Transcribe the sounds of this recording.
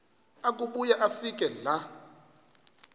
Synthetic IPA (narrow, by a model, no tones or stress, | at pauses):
akʼuɓujaʔafikʼɛla